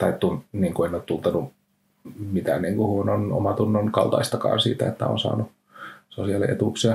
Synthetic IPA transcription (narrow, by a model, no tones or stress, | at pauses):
t̪ɑit̪ːunniːŋkuenːˑoːt̪t̪ult̪ɑnu | mit̪æ̰nniːŋkuhuonono̰mɑt̪unːonkɑlt̪ɑ̰ist̪ɑkɑ̰ːnsḭːt̪æ̰et̪ːæ̰o̰nsɑ̰ːnu | sosiɑlḭʔet̪uˑksiæ